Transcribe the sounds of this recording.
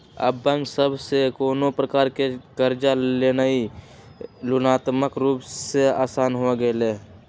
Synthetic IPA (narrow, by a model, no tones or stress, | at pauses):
ə̰bːə̃ŋɡsəbsekoːnopɾəkaːɾkekəɾd͡ʒaleːnai | lʊnaːt̪məkɾuːpsea̰ːsaːnɦoɡəleː